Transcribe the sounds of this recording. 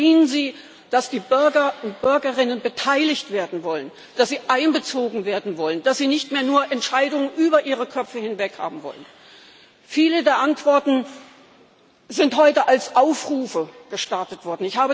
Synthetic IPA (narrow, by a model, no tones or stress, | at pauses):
iːənziː | d̥asd̥iːbʏɐɡɐʊnt̚b̥ʏɐɡɐʁɪnənbətʰaɪlɪçtv̥eːɐdn̩vɔlən | d̥asz̥iːʔaɪnbət͡soːɡŋ̩veːɐdn̩vɔlənd̥asz̥iːnɪçtmeːɐnuːɐʔɛntʃaɪdʊŋənʔyːbɐʔiːʁ̞əkʰœpp͡fəhɪnvɛkha̰ːbm̩vɔ̰lən | fiːlədeːɐʔantv̥ɔɐtn̩ | zɪnthɔʏtəʔalsʔaʊfʁuːfəɡ̥əʃtaɐtətv̥ɔɐdn̩ɪçhaːbə